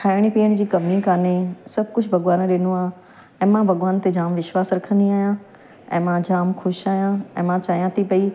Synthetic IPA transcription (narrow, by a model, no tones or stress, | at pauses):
kʰaːɪɽ̃ipiːəɽ̃d͡ʑiːkɐʋnikaːnesɐbʱkʊd͡ʑʰʱbʱɐɡʋaːnɗɪnuaː | ɛ̃ːmãbʱɐɡʋaːnt̪ed͡ʑaːmʋɪʃʋaːsɾɐkʰə̃nd̪iaːɦjã | ɛ̃ːmãd͡ʑaːmxʰʊʃaːɦjãɛ̰̃ːmãt͡ɕaːɦijãt̪ʰipɐi